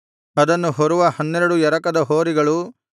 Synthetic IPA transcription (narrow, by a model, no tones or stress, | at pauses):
ɐd̪ɐnːuɦɔɾuʋɐhɐnːɛɾɐɽujɛɾɐkɐd̪ɐɦoːɾiɡɐɭu